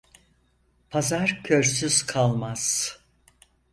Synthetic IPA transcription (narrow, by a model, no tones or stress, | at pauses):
pʰazaɾcʰøɾsyz̥kʰalˠmaz̥